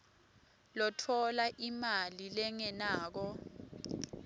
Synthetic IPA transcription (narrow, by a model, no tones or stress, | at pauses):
lɔtʰɔlaʔimalilɛŋɛnaːk̬ɔ